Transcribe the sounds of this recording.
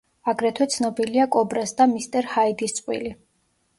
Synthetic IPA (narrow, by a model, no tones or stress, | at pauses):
aɡɾɛt̪ʰwɛt̪sʰnɔbiliakʼɔbɾasd̪amist̪ʼɛɾhaid̪ist̪sʼqʼwḭli